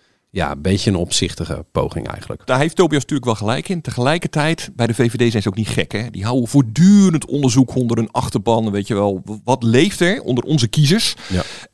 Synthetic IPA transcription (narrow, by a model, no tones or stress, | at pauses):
ja̰bejəənɔpsɪχtəɣə̰po̰wχɪ̰ŋɛ̰jxənlə̰kd̥aːɦeftoːbijosn̥tyːləkʋɛlˠχəlɛjkɪntəχəlɛjkərtɛjtbɛjdəvejvedejsɛjnzəowk̚nitχɛ̰kɛdiɦawəv̥oːɹdyːrəntɔ̰ndəɹzukʰɔndəɾənɑxtərbɑnʋejtjəʋɛlˠʋɑtlejftɛɹɔ̰ndərɔ̰nzəkizəɹs